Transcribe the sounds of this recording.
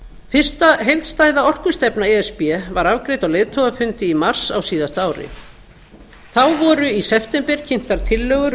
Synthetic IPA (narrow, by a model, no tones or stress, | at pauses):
fɪr̥st̪aɦejlt̪st̪aːjðaɔr̥kʏ̥st̪ɛpnaɛɛspɛvaɾavkɾejt̪awleːjðt̪ʰowɣafʏnt̪ɪimar̥sawsiːðast̪aːwɾɪ̰ | θawvɔɾʏisɛft̪ɛmpɛɾ̥cʰɪn̥t̪aɾ̥t̪ʰɪlːœːɣʏɾ